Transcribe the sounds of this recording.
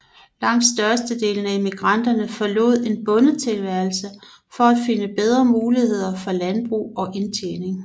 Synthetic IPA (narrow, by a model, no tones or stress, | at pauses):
lɑ̈ŋ̰d̥sd̥ɶɐsd̥əd̥e̝̰ːln̩æe̝miɡ̥ʁɑn̰d̥ɐnəfɒ̽lo̝̰ð̞̰ˠe̝nb̥ɔ̽nət͡sʰe̝lʋæɐlsə | fɒ̽æd̥fe̝nəb̥eð̞ˠʁɐmuːlihe̝ð̞̰ˠɐfɒ̽lænb̥ʁṵːɒ̽ʔe̝nt͡sʰḛːne̝ŋ